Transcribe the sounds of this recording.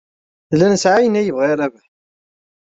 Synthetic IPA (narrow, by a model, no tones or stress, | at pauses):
ðlænsʕajənæjəvʁiɾævæ